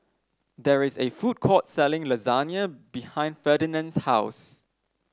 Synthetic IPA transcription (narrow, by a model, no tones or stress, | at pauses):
dɛɹɪsefud̚kʰɔt̚sɛlɪ̃ŋlozanjəbihãɪ̃ndfədinə̃nshaʊs